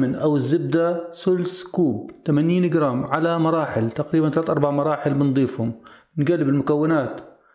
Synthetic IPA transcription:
mɪnʔawɪzːɪb̚d̪asʊlskuːb̚t̪amaniːnɪɡɾaːmʕalamɑɾˤɑːħɪlt̪aqɾiːbant̪alaːt̪ʔɑɾˤbaʕmɑɾˤɑːħɪlbɪnd̪ˤiːfhʊm | nɡalːɪbɪlmʊkawːɪnaːt̪

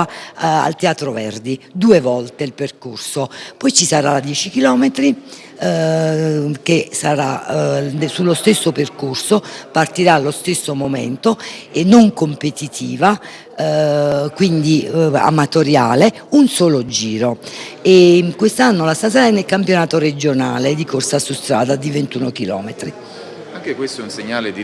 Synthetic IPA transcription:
a̰lt̪eaːt̪ɾovɛ̰rd̪id̪uːevɔlt̪eilperkorsopɔjt͡ʃisaɾaad̪jɛːt͡ʃikilɔːmet̪ɾi | kesaɾa̰ | sulːost̪esːoperkorsopart̪iɾalːost̪esːomomɛ̰nt̪oenːoŋkompet̪it̪ʰiːva | kwind̪ia̰mat̪oɾjaːle | unsɔːlod͡ʒiːɾoekwest̪anːolast̪as̬aɾaɛnːelkampjonaːt̪oɾed͡ʒonaːled̪ikorsasust̪ɾa̰ːd̪ad̪ivent̪uːnok̟ilɔ̰ːmet̪ɾi | aŋkekwest̪oɛunseɲːaːled̪i

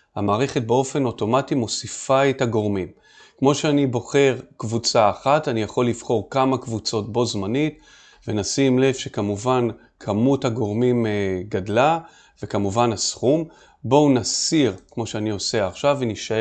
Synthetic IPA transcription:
hamaːʁe̞χe̞t̚beo̞fe̞no̞to̞matimo̞sifaetaɡo̞ʁmim | kmo̞ʃeanibo̞χe̞ʁkvut͡saːχatanijaχo̞lːiv̥χo̞ʁkamakvut͡so̞t̚bo̞zmanit | venasimle̞vʃe̞kamuvan | kʰamuthaɡo̞ʁmimɡadla | ve̞kamuvanasχum | bo̞unasiʁkmo̞ʃeanio̞se̞aχʃaveniʃa

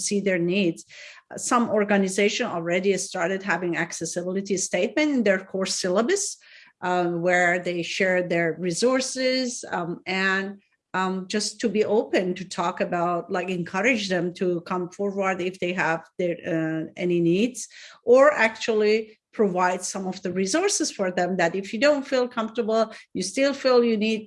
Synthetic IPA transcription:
siðə˞nidz̥ | sʌ̃mɔɹɡanɨzeɪʃɨ̃nl̩ˠɹɛɾistɑɹɾɨd̚ɦævɪ̃ŋæksɛsɨbɪlˠɨtisteɪt̚mɨ̃ntɨ̃nðə˞kʰɔɹsɪlˠəbɨs | wə˞ðeɪʃɛɹðə˞ɹizɔɹsɪzɨ̃n | d͡ʒʌstʰːɨbiʔoʊpɨ̃ntɨtʰɔkɨbaʊt̚laɪkɨ̃nkʰʌɹɨd͡ʒðɛ̃mtʰukʰʌ̃ɱfɔɹwəɹdɪfðeɪɦævðə˞ɛ̰ninidz̥ʔə˞ʔæk̚t͡ʃul̩ˠipʰɹ̥ovaɪd̥sʌ̃mɔvðɨɹizɔɹsɨz̥fəɹðɛ̃mðætɪfjɨdõʊ̃ntfilˠkʰʌ̃ɱftə˞bl̩ˠjɨstɪlˠfilˠjɨnid̚

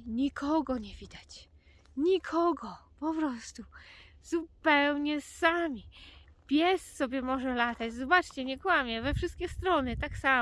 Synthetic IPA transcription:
ɲikʰɔɡɔɲɛvʲid̪at͡ɕ | ɲikʰɔɡɔpɔpɾɔst̪uz̥upɛwɲɛsamʲi | pʲjɛssɔbʲjɛmɔʐɛlat̪ad͡ʑzɔbat͡ʂt͡ɕɛɲɛkwamʲjɛvɛfʂɘst̪̚kʲɛst̪ɾɔnɘt̪aksa

